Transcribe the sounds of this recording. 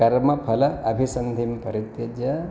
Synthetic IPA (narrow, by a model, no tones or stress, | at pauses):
ɐɾmɐpʰɐlɐɐbʱisɐnd̪ʱimpɐɾit̪jɐd͡ʒɐ